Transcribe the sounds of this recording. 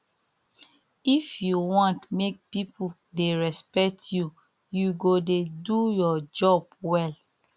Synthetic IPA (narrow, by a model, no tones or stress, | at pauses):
ifjuwɔ̃ntmek̚pipʰu | deɹɛspɛk̚tʰju | juɡodedujɔd͡ʒɔbwɛl